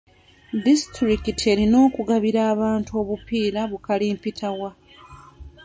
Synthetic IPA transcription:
distɾikitʰe̞ɾino̞ːkuɡaβiɾaːβaːntuo̞ːβupiːɾaβukalimpitʰawa

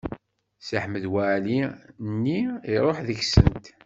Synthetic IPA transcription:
səħməðwalinːiiɾˤoħðəçsə̰nt̪

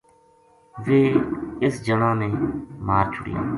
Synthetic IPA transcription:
ʋeːɪsd͡ʒəɳãːnẽːmaːɾt͡ʃʰʊɽɪ̰jã̰ː

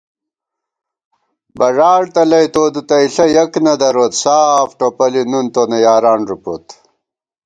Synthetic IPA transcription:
bɐʐaːɽt̪ɐlɐjt̪oːd̪ut̪ɐiɬɐjɐknɐd̪ɐɾoːt̪saːfʈopɐlinunt̪oːnɐjaːɾaːɳɾupot̪

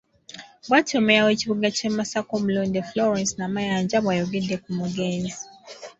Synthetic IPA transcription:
bwatiomejaweːciβuɡat͡ʃemːasakoːmuloːndefloɾensnamajaːɲɟaβwajoɡedːekumuɡeːnzi̥

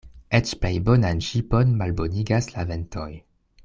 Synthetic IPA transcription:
et͡ʃplejbonanʃipo̞nmalbo̞niɡaslaventʰo̞̰j

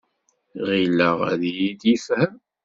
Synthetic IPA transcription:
ʁilæʁæ̰ðjid̪ifhæm

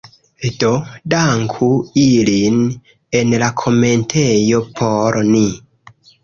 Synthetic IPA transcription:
dodaŋkʰuilin | enlakʰomentʰejopʰoɾni

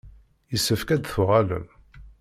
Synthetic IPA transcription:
jəsːəfkæd̪θuʁalə̰m

